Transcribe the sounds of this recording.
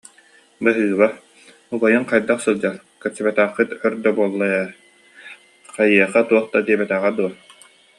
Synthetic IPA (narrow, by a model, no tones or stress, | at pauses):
bɯɦɯːβa | ubɔjɯŋqajd̪aqsɯlˠd͡ʑaɾ | kɛt͡ɕɛbɛt̪æːχːɯt̪œɾd̪œbuɔlˠːaja | qajiɛχat̪uɔχt̪ad̪iɛbɛt̪æːʁad̪uɔ